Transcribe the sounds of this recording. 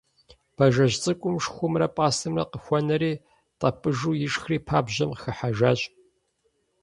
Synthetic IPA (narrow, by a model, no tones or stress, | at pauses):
b̥ɐʒɐʒt͡sʼɨkʷʼʊmʂxʷʊmrɐpʼaːsʰɨmrɐ̰qəxʷɔnɐɾiː | tʼɐpʼɨʒuːjɪʂxriːpʰaːbʑɐmqxɐħaʒaːɕʼ